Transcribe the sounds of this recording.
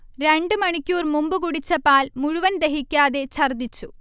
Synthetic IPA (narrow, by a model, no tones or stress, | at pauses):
ɾeɳɖɨmɐɳikʲːuːrmumbɨkuɽit͡ɕːɐpaːlmuɻuʋɐnd̪eɦikʲːaːðet͡ɕʰɐrd̪it͡ɕːu